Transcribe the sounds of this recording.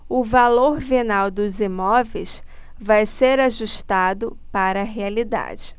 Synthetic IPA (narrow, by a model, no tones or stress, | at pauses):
ʊvaloɾvenawd̪ʊzimɔvejs | vajseɾaʒuʃt̪ad̪ʊpaɾɐːɦealid̪a̰d͡ʒɪ